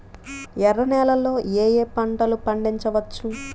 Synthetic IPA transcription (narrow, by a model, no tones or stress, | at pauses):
ɛrːɐnɛːlɐlːo̞ːeːjeːpɐɳʈɐlupɐɳɖiɲt͡ʃɐʋɐt͡ʃːu